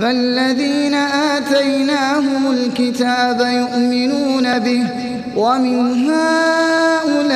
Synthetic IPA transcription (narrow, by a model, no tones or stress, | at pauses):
falːaðiːnaʔaːt̪ajnaːɦʊmʊlkɪt̪aːbajʊʔmɪnuːnabɪh | wamɪnɦaː | ʔʊlaː